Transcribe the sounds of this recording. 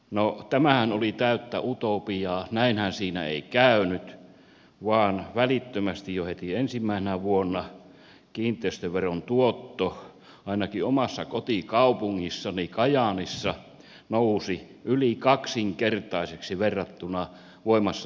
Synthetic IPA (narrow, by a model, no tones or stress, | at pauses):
not̪æmæhænolit̪æyt̪ːæ̰ʔut̪oˑpijɑːnæinhænsiːnæ̰ḛikæˑynyt̪ | ʋɑːnʋælit̪ːømæst̪ijjohet̪iensimːæisenæʋuonːɑ | kiːnt̪ˑeːst̪øʋʋeront̪uot̪ːo | ɑˑinɑkiomɑsːɑkot̪ikɑupuŋːisːɑnikɑjɑnisːɑ | nousi | ʔylikɑksiŋkert̪ɑiseksiʋerːɑt̪ːunɑ | ʋoimɑsːɑ